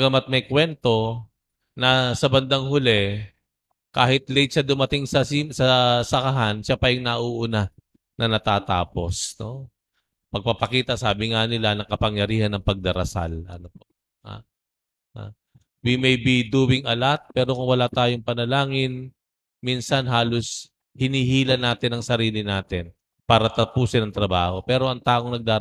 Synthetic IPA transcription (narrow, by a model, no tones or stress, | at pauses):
ɡɐmat̪̚mɐjkwɛnt̪o̞ | nɐsɐbɐnd̪aŋhʊlɛ | kaːhɪt̪lɛjt̪̚t͡ʃɐd̪ʊmɐt̪ɪŋsɐsisɐsɐkɐɦanʃapɐjʊŋnɐʔuʔʊna | nʔɐnɐt̪aːt̪a̰ːpo̞sno̞ | pɐɡ̚pɐpɐkiːt̪ɐsaːbɪŋanɪlanɐŋkɐpɐŋjɐɾiːhɐnɐŋpɐɡ̚d̪ɐɾɐ̰sa̰lɐ̰nopo | ha̰ | ha̰ | bimɛjbid̪uːbɪŋʔɐlat̪̚pɛːɾo̞kʊŋwɐlat̪aːjoŋpɐnɐlaːŋɪn | minsɐnɦaːlo̞s | hɪniːhiːlɐnaːt̪ɪnɐŋsɐɾiːlɪnaːt̪ɪn | paːɾɐt̪ɐpuːsɪnɐŋt̪ɾɐbaːho̞pɛːɾo̞ʔɐŋt̪aːʔoŋnɐɡ̚d̪aː